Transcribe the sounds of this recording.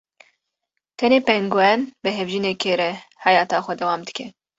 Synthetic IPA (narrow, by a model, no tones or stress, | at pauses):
t̪ʰɛneːpɛŋɡwɛnbɨɦɛvʒineːkʰeːɾɛhɑːjɑːt̪ɑːxʷɛd̪ɛwɑːmd̪ɨ̥kʰɛ